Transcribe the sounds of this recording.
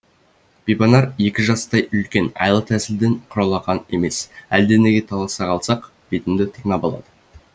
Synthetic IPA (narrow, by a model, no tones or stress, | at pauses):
b̥ibɑnɑɾe̞kʲɪʒɑst̪ɑjʏlkʲe̞nɑ̰jlˠət̪ʰæsɪld̪eɴqʰʊɾɑlˠɑʁɑne̞me̞sæld̪eneɡʲet̪ʰɑlˠɑsɑqɑlˠsɑq | b̥et̪ɪmd̪ɪt̪ʰəqnɑbolˠɑ̰d̪̥ə